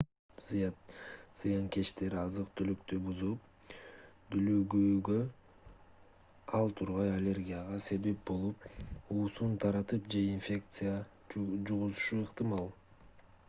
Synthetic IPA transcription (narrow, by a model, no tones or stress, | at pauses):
z̥ɨjɑz̥ɨjɑŋke̞t͡ʃt̪e̞ɾiɑzɯq̚t̪ʰylyk̚t̪ybuzup̚ | d̪yløɡyːɡø | ɑlˠt̪ʰuɾʁɑjalʲe̞rɡʲijaʁɑse̞βe̞p̚bo̞lˠupuːsunt̪ʰɑɾɑt̪ɯpd͡ʒe̞infʲe̞kt̪sɨja | d͡ʒuʁuzuʃuɯqt̪ɨmɑlˠ